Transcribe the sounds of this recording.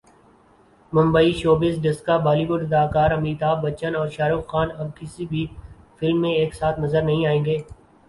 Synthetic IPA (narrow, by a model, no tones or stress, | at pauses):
mʊ̃mbəiʃoːbɪsɖɪskabaːliːbʊɖɐd̪aːkaːɾɐmiːt̪aːbːɐt͡ʃənɔːɾʃaːɾuxxaːnɐb̚kɪsibʱi | fɪlmːẽeːksaːt̪ʰnɐzəɾnɐɦĩaːẽːɡeː